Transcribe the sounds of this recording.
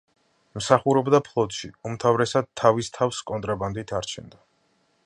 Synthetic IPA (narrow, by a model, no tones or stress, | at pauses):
msaχuɾɔbd̪apʰlˠɔt̪ʼʃiumt̪ʰavɾɛsad̪̚t̪ʰːavist̪ʰafskʼɔnt̪ʼɾaband̪it̪ʰaɾt͡ʃʰɛ̰nd̪a